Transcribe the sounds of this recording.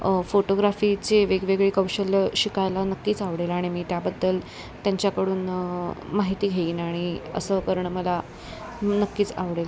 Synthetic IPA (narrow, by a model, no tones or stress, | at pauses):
foʈoɡɾafit͡seʋeɡʋeɡɭiːkəwɕəljəɕikajlanəkːiːt͡saʋɽelaɽ̃imiːt̪jabəd̪ʱːəl | t̪jaɲt͡ɕjakəɽuːnmaɦit̪iːɡʱeiːnaɽ̃iə̰səːkəɾɳəməla | nəkːiːt͡sa̰ʋɽelə